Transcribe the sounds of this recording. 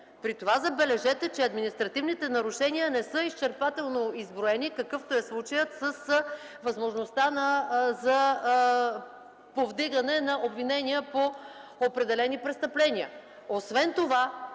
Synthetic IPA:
pɾit̪ovazɐbɛlɛʒɛt̪ɛt͡ʃɛɐd̪minist̪ɾɐt̪ivnit̪ɛnɐɾuʃɛniənɛsɤist͡ʃɛɾpat̪ɛlˠnoizbɾoɛnikɐkɤft̪oɛslˠut͡ʃəjət̪səs | vɐzmoʒnost̪anɐzɐ | povd̪iɡɐnɛnɐʔobvinɛniəpoopɾɛd̪ɛlɛnipɾɛst̪ɐplɛniə̰ | osvɛnt̪ova

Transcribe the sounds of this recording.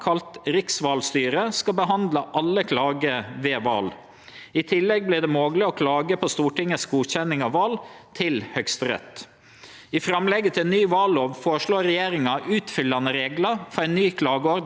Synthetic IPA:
kʰɑlt̪ɾɪksʋɑːlst̪yːɾəskɑbəɦɑnd̪lɑʔɑlːəkʰlɑːɡəʋeːʋɑ̰ːl | ɪt̪ʰɪlːɛɡ̚blɪd̪ɛmoːɡlɪɔkʰlɑːɡəpʰɔst̪uːʈɪŋːəsɡuːçɛnɪŋɑʋʋɑːl | t̪ʰɪlhœkst̪əɾɛ̰t̪ | ɪfɾɑmlɛɡːət̪ʰɪlɛnːyːʋɑːloːʋfoːʂloːɾɛjeːɾɪŋɑʔʉːt̪fʏlːɑnəɾeːɡlɑfɔɾæɪnnːyːkʰlɑːɡəɔɾd̪

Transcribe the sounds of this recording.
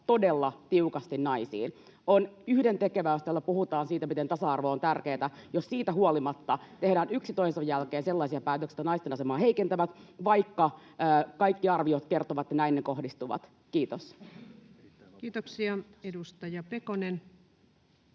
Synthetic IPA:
t̪o̞delːɑt̪iukɑst̪innɑisḭːn | onyhdent̪e̞keʋæost̪elːɑpuhut̪ɑːnsiːt̪æmit̪ent̪ɑsɑɑrʋoːnt̪ærkeːt̪æjossiːt̪æɦuolimɑt̪ːɑt̪e̞hdæːnyksit̪oisɑjjælkeːnselːɑisiɑpæːt̪øksit̪ænɑist̪enɑsemɑːhe̞ikent̪æʋæt̪ʋɑikːɑəːkɑikːiɑrʋiot̪ke̞rt̪oʋɑt̪jɑnæinneko̞ɦdist̪uʋɑ̰t̪ | kiːt̪os | kiːt̪oksiɑedust̪ɑjɑpekonen

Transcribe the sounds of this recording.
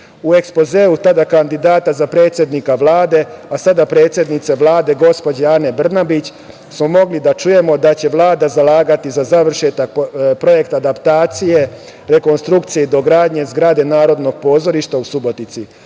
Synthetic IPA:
ue̞kspo̞zeːut̪ad̪akand̪id̪aːt̪azapɾe̞ːt̪sje̞d̪nikaʋlˠaːd̪e̞asad̪apɾe̞ːt̪sje̞d̪nit̪se̞ʋlˠaːd̪e̞ɡo̞spo̞d͡ʑeane̞br̩nabit͡ɕ | smo̞mo̞ɡlid̪at͡ʃuje̞mo̞d̪at͡ɕe̞ʋlˠaːd̪azalˠaːɡat̪izazaʋr̩ʃet̪ak̚pɾo̞je̞kt̪ad̪apt̪aːt̪sije̞ | ɾe̞ko̞nst̪ɾukt̪sijed̪o̞ɡɾaːd̪ɲe̞zɡɾad̪e̞naːɾo̞d̪no̞ɡ̥̚po̞ːzo̞ɾiʃt̪ausubo̞t̪nit̪si

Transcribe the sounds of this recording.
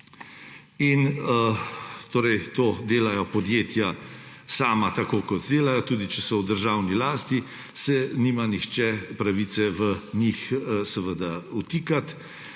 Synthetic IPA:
in | t̪oːɾɛjt̪oːd̪eːlajɔpɔd̪jeːt̪ja | saːmat̪akoːkɔt̪d̪eːlajɔt̪uːd̪it͡ʃɛsɔwd̪əɾʒaːwnilaːst̪i | sɛniːmanixt͡ʃɛpɾaʋiːt̪sɛʋənixsɛʋəd̪aut̪iːkat̪

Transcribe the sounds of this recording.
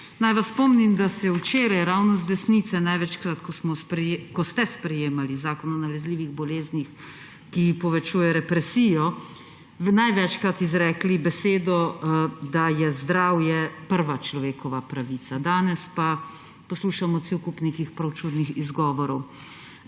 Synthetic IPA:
najʋasːpɔmnimd̪asɛwt͡ʃeːɾajɾawnɔzd̪ɛsnit̪sɛnajʋɛt͡ʃkɾat̪kɔsmɔkɔst̪ɛspɾɛjeːmalizaːkɔnɔnalɛzliːʋiɣbɔleːznix | kipɔʋɛt͡ʃuːjɛɾɛpɾɛsiːjɔ | najʋɛt͡ʃkɾat̪izɾɛːklibɛseːd̪ɔd̪ajɛzd̪ɾawjɛpəɾʋat͡ʃlɔʋeːkɔʋapɾaʋiːt̪sad̪aːnɛspa | pɔsluːʃamɔt̪siwkupnekixpɾawt͡ʃud̪nixizɡɔːʋɔɾɔw

